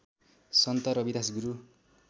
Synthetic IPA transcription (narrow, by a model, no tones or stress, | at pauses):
sʌnt̪ʌɾʌbid̪as̬ɡuɾu